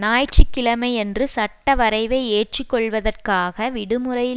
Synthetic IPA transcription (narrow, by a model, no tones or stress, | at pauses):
naːjt͡ʃikːɪlɐmɐɪɛndrɯsɐʈːɐʋɐɾɐɪʋeːeːʈ̚ʈrɪkːɔɭʋɐðɐrkaːɣɐʋɪɽɯmɯɾɐjɪ